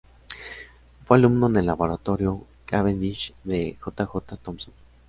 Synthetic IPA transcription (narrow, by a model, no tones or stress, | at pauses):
fealumnonelaβoɾat̪oɾjo | kaβend̪it͡ʃðexot̪axot̪at̪omsom